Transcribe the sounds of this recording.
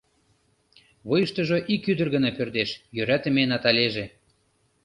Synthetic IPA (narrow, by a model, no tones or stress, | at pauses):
βojəʃt̪ə̆ʒoʔikyd̪ərɣənɑpørd̪eʃjøɾæt̪ə̆menɑt̪ɑlʲeʒe